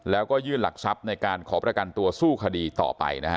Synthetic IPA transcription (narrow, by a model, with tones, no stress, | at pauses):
lɛː˦˥wkɔː˥˩jɯː˥˩nla˨˩k̚sa˦˥p̚na˧jkaː˧nkʰɔː˩˦pɾa˧ka˧nt̪u˧ɐsuː˥˩kʰa˧diː˧t̪ɔ̰ː˨˩pa̰˧jna˦˥˦